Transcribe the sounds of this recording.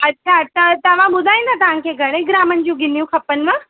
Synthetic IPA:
ɐtːɕʰatat̪ɐʋ̤ãɓʊd̪ʱaːĩnd̪at̪ɐʋ̤ãŋkʰeɡɐɽẽɡɾaːmənd͡ʑũɡɪnjũkʰɐpənʋə

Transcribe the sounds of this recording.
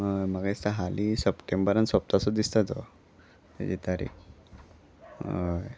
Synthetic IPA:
əjməɡaist̪aɦalisəpʈembəɾənsəp̚t̪asɔd̪ist̪at̪o | t̪ɛ̰d͡ʑit̪aɾḭk | j

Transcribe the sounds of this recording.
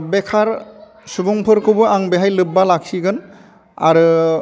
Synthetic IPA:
bekʰaɾ | subuŋpʰɯɾkʰɯbɯaŋbeɦajlɯbːalak̚siɡɯn | a̰ɾɯ

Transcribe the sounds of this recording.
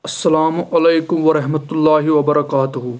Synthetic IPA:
ɐsːɐlaːmʔɐleːkʊmʋɐɾɐɦmɐt̪ʊlːaːɦɪʋɐbɐɾɐkaːt̪ʊɦʊ

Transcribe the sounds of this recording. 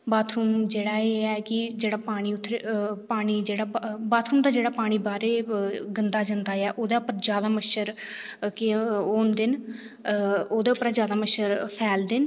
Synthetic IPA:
baːt̪ʰɾuːmd͡ʒeːɽaːeːɛːkɪd͡ʒeːɽaːpaːɽ̃iːʊt̪ʰːɾepaːɽ̃iːd͡ʒeːɽaːbaːt̪ʰɾuːmd̪aːd͡ʒeːɽaːpaːɽ̃iːbaːɾeːɡənd̪aːd͡ʒənd̪aːɛːʔoːd̪eːʊpəɾd͡ʒjaːd̪aːməʃəɾkɪoːnd̪ɪn | oːd̪eːʊpəɾad͡ʒjaːd̪aːməʃəɾpʰɛːld̪ɪn

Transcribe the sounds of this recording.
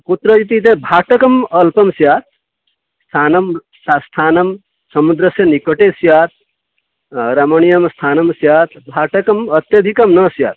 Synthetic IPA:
put̪ɾəit̪it̪̬ẽbʱaʈəkəmɐlpəmsjaːt̪̚ʰ | st̪ʰanəm | ast̪ʰaːnəm | səmud̪ɾəsenikəʈesjaːt̪̚ʰ | ɾɐməñijəmst̪ʰaːnəmsjat̪ʰbʱaʈəkəmət̪jəd̪ʱikəmnəsja̰ːt̪̚ʰ

